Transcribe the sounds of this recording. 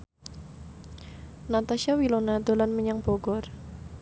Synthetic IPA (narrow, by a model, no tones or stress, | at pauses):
nat̪aʃiawilonad̪o̤lanməɲaŋb̥oɡɔr